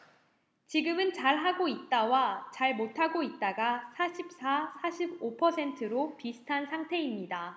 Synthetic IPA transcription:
t͡ɕiɡɯmɯnt͡ɕaɭɦaɡoit̚t͈awat͡ɕaɭmotʰaɡoit̚t͈aɡasʰaɕʰip̚s͈ʰasʰaɕʰibopʰʌsʰe̞ntʰɯɾopisʰɯ̥tʰansʰaŋtʰe̞imɲida

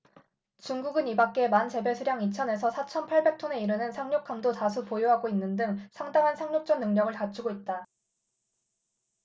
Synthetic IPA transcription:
t͡ɕuŋɡuɡɯnibak̚k͈e̞mant͡ɕe̞be̞sʰuɾjaŋit͡ɕʰʌne̞sʰʌsʰat͡ɕʰʌnpʰaɭbe̞k̚tʰone̞iɾɯnɯnsʰaŋɲokʰamdotas̬ʰupojoɦaɡoinːɯndɯŋsʰaŋdaŋɦansʰaŋɲok̚t͡ɕ͈ʌnːɯŋɲʌɡɯɭkat͡ɕʰuɡoit̚t͈a

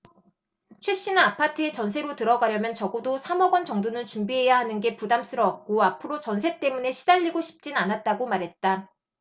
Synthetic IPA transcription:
t͡ɕʰweɕ͈inapʰatʰɯet͡ɕʌns̬ʰe̞ɾotɯɾʌɡaɾjʌmjʌnt͡ɕʌɡodosʰamʌɡʌnt͡ɕʌŋdonɯnt͡ɕumbiɦe̞jaɦanɯnɡe̞pudams͈ɯɾʌːp̚k͈oapʰɯɾot͡ɕʌnsʰe̞t͈e̞mune̞ɕʰidaʎːiɡoɕʰi̥p̚t͡ɕ͈inanat̚t͈aɡomaɾɦe̞t̚t͈a

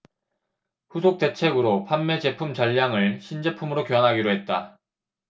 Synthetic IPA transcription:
ɸusʰok̚t͈e̞t͡ɕʰe̞ɡɯɾopʰanːe̞t͡ɕe̞pʰumt͡ɕʌʎːaŋɯɭɕʰind͡ʑe̞pʰumɯɾokjowanɦaɡiɾoɦe̞t̚t͈a̰

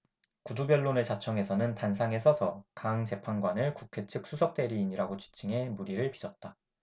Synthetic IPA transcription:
kudubjʌɭːonɯɭt͡ɕat͡ɕʰʌŋe̞sʰʌnɯntansʰaŋe̞sʰʌsʰʌkaŋt͡ɕe̞pʰanɡwanɯɭkukʰe̞t͡ɕʰɯk̚s͈ʰusʰʌk̚t͈e̞ɾiːɲiɾaɡot͡ɕi̥t͡ɕ͈ʰɯŋe̞muɾiɾɯɭpisʰʌt̚t͈a

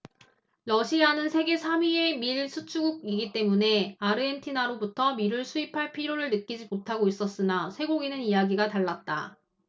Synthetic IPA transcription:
lʌɕʰianɯnsʰe̞ɡe̞sʰamie̞miɭsʰut͡ɕʰuɡuɡ̚iɡit͈e̞mune̞aɾɯentʰinaɾobutʰʌmiɾɯɭsʰuipʰaɭpʰiɾjoɾɯɭnɯk͈id͡ʑimotʰaɡois͈ʌs͈ɯnasʰe̞ɡoɡinɯnijaɡiɡataɭːat̚t͈a

